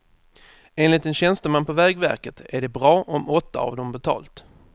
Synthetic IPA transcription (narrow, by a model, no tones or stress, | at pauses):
eːnlɪt̪ɛnɕɛnst̪əmanpʰɔvɛːɡvæ̰ɾkət̪ʰæɖɛbɾɑːʔɔmɔt̪ːa̰ɑ̰vd̪ɔmbɛt̪ʰɑ̰ːlt̪